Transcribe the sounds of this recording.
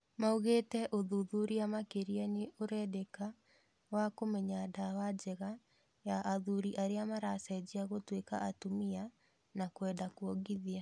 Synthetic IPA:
mauɣetɛʔoðuðuɾiamakeɾianeʔoɾɛdeka | wakomɛɲadawad͡ʑɛɣa | jaʔaðuɾiʔaɾeamaɾasaɛd͡ʑiaɣotweka̰ʔatomia | nakwɛːndakwɔɡiðia

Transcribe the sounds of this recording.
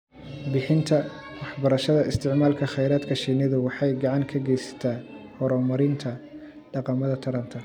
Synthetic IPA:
bɪħɪnt̪ʰɐ | wɑħbɐɾɐʃɐðɐɪst̪ʰɪʕmaːlkʰɐχɛjɾaːd̪kʰɐʃiːnɐðʊwɑħɑjɡɑʕɑŋkʰɐɡɛjsɐ̥t̪ʰaːhɔɾɔːmɐɾɪnt̪ʰɐ | ɖ̥ɑqɑmɐðɐt̪ʰɐɾɐnt̪ʰɐ

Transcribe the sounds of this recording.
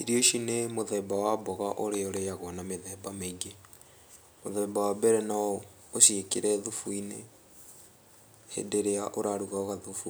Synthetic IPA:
iɾioʃinemoðɛbawabɔɣaʔoɾeoɾejaɣɔnameðɛbameɡe | moðɛbawabɛɾɛnaɔ | oʃiekeɾɛðufuine | hḛdeɾeaʔoɾaɾuɣaoɣaðufu

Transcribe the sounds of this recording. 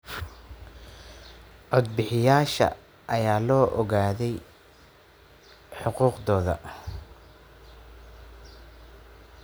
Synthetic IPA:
ɔd̪̚bɪħɪjaːʃɐ̰ | ʔɐjaːlɔːʔɔɣaːðɛj | ħʊquːqd̪ɔːðɐ̰

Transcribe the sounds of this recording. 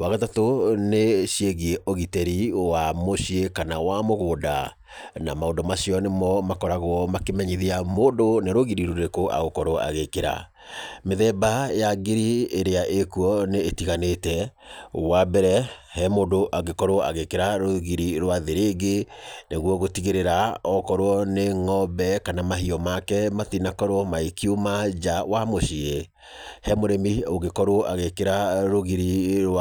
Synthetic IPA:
waɣatatoneɕieɣieʔoɣitɛɾiwamoɕiekanawamoɣoːda̰ | na̰maondɔmaɕiɔnemɔmakɔɾaɣwɔmakemɛɲiðiamoːndoneɾoɣiɾiɾoɾekoʔa̰ɣokɔɾoa̰ɣekeɾa̰ | meðɛbajaɡeɾieɾeaʔekuɔneːtiɣanetɛ | wabɛɾɛhɛmodoʔaɣekɔɾoa̰ɣekeɾaɾoɣiɾiɾwaðeɾeɡeneɣwɔɣotiɣeɾeɾaɔkɔɾoɔneŋɔbɛkanamaɦiɔmakɛmaθinakɔɾoɔmaekiumad͡ʒawamoʃie | hɛmoɾɛmioɣekɔɾwɔʔaɣekeɾaɾoɣiɾiɾw

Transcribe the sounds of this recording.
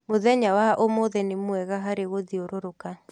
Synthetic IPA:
moðɛɲawaʔomoðɛnemwɛɣaɦaɾeɣoðioɾoɾoka

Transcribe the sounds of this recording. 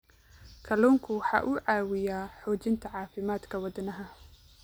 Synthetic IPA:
kʰɐluːŋkʰʊwɑħɑ̰ːʔuːʕɑːwɪjaːħɔːt͡ʃɪnt̪ʰɐʕɑːfɪmaːd̪kʰɐwɑd̪ɐnɐɦɐ

